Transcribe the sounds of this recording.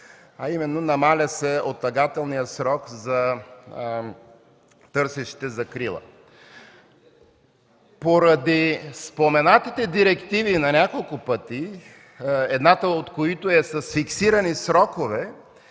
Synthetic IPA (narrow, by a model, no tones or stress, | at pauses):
ɐimɛnːonɐmalʲɐsɛot̪ːɐɡat̪ɛlˠnijəsɾɔkzɐ | t̪ɤɾsɛʃi̥t̪ɛzɐkɾilˠə̰ | poɾɐd̪ispomɛnat̪it̪ɛd̪iɾɛkt̪ivinɐnʲakolˠkʊpət̪i | ɛd̪nat̪əot̪koit̪oɛsɐsfiksiɾɐnisɾɔkovɛ